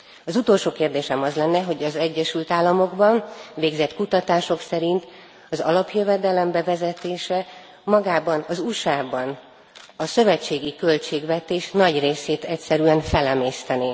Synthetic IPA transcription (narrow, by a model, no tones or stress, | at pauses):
ɒzut̪o̞lʃoːkeːrd̪eːʃɛmɒzlɛnːɛɦo̞ɟɒzɛɟːɛʃylt̪aːlːɒmo̞ɡbɒnveːɡzɛt̪kut̪ɒt̪aːʃo̞ksɛɾint̪ | ɒzɒ̰lɒpjøvɛd̪ɛlɛmbɛvɛzɛt̪eːʃɛ | mɒɡaːbɒnɒzuʃaːbɒn | ɒsø̞vɛt͡ʃːeːɡikø̞lt͡ʃeːɡvɛt̪eːʃnɒɟreːseːt̪ɛcsɛɾyɛnfɛlɛmeːst̪ɛni